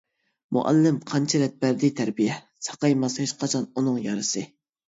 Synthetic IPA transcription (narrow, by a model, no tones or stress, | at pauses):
mṵʔɛ̰lːɪmqʰɑnt͡ʃʰɛɾɛt̪̚bæɾd̪ɪt̪ʰæɾbijɛ | sɑ̥qɑjmɑsheʃqɑt͡ʃʰɑnunɨŋjɑɾɨsɨ